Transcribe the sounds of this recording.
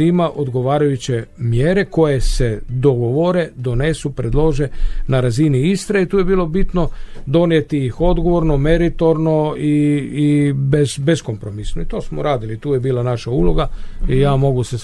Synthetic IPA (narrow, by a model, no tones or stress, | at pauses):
imaʔo̞d̪ɡo̞ʋaːɾajut͡ɕe̞mjeːɾe̞ko̞je̞se̞d̪o̞ɡoʋo̞ɾe̞d̪o̞ne̞supɾed̪lˠo̞ʒe̞naɾaziniist̪ɾait̪uːje̞biːlo̞bit̪no̞d̪o̞njet̪ijixo̞d̪ɡo̞ʋo̞ɾno̞me̞ɾit̪o̞ɾno̞iː | bezbe̞skompɾo̞misnoit̪o̞ːsmo̰ɾaːd̪ilit̪uːje̞biːlˠanaʃaulo̞ɡaijaːmo̞ɡuse